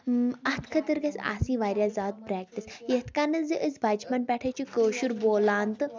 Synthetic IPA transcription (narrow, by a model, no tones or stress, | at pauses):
at̪ʰkʰət̪əɾɡasa̰sĩːʋaɾʲjad͡zat̪̚pɾɛk̚ʈisjet̪kanəd͡zeʔət͡sbʱad͡ʑpanpʲɛʈʰajt͡ɕikəɕuɾbolãnt̪